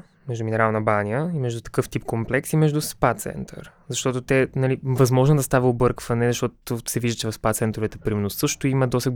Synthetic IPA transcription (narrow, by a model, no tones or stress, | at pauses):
mɛʒd̪uminɛɾalˠnəbanʲjəimɛʒd̪ut̪ɐ̥kɤft̪ipkomplɛksimɛʒd̪uspat̪sɛ̰nt̪ʰə̰ɾzɐʃt̪ɔt̪ot̪ɛnɐlivɐzmɔʒnod̪ɐst̪aviobɤɾkvɐnɛzɐʃt̪ɔt̪osɛviʒd̪ət͡ʃɛvɐfspat̪sɛnt̪ɾovɛt̪ɛpɾimnʊsɤʃt̪ʊimɐd̪ɔsə